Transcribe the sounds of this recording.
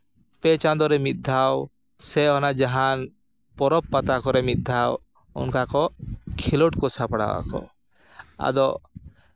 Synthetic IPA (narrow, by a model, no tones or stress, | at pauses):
pɛt͡ʃand̪ɔɾɛmit̪̚d̪ʱaw | sɛɦɔnad͡ʒaɦan | pɔɾɔppat̪akɔɾɛmit̪̚d̪ʱaw | ɔ̰nkakɔkʰilɔʈkɔsapaɽa̰wa̰kɔ̰ | a̰d̪ɔ